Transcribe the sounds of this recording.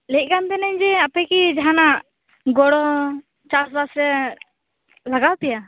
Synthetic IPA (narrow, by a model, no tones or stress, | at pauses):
lɛc̚ˀkant̪ɛnɛɲd͡ʒɛapɛkid͡ʒaɦanaʔ | ɡɔɽɔ | t͡ʃasbasɾɛ | laɡawt̪ɛja